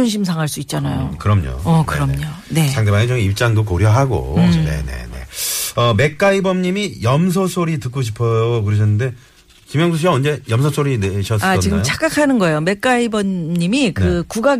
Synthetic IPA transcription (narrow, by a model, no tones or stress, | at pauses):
onɕ̬ʰims̬ʰaŋɦaɭs͈uit̚t͡ɕ͈anajokɯɾʌmɲo̰ʌkɯɾʌmɲone̞aŋdebaned͡ʑʌŋip̚t͡ɕ͈aŋdokoɾjʌɦaɡo̰ne̞̰ne̞̰ne̞̰ʌme̞k̚k͈aibʌmɲimijʌms̬ʰoʌsʰoɾitɯk͈oɕ̬ʰi̥pʰʌjokɯɾeɕʰʌnːɯnde̞ | kimjʌŋsʰuɕʰiaʌnd͡ʑe̞jʌmsʰʌsʰoɾineɕʰʌs͈aʌt͡ɕiɡɯmt͡ɕʰak͈akʰanɯnɡʌejome̞k͈aibʌnɲimikɯkuɡa